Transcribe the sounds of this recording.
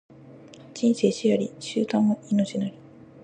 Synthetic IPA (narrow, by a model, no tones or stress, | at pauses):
d͡ʑ̥ĩñse̞ːɕijaɾʲiɕɨːt̪ãŋːoino̞t͡ɕinaɾʲi̥